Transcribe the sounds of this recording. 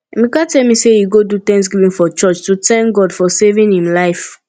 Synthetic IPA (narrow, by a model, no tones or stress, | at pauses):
mikatɛlmisejiɡodut̪ɛ̃ŋsɡivĩnfɔt͡ʃɔt͡ʃtutɛ̃ŋk̚ɡɔdfɔsevĩnhĩmlaɪf